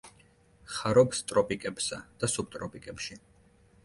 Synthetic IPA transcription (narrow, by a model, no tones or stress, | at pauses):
χaɾɔpst̪ʼɾɔpʼikʼɛpsad̪̥asup̚t̪ʼɾɔpʼikʼɛpʃi